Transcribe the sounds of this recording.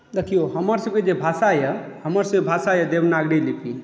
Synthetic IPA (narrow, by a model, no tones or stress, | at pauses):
d̪ekʰijoɦəməɾsəb̚ked͡ʒebʱasajə | həməɾsəebʱasajəd̪ebnaɡɾilipʰi